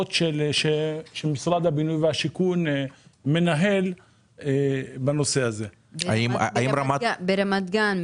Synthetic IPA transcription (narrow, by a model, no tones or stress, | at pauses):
t̪ʃelʃeʃelmisʁad̪habinujveaʃikunme̞naɦe̞l | ebano̞se̞aze̞ | aimaaimɾamabeɾamat̪ɡan